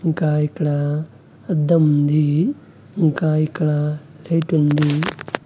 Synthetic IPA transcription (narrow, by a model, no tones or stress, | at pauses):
ŋkaːikɐɽa | ɐd̪ɐmund̪i | ŋkaːikɐɽa | lejʈund̪i